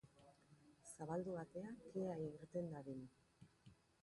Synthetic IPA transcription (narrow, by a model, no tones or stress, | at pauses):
saβald̪uβat̪e̞akeaiɣiɾt̪end̪aɾin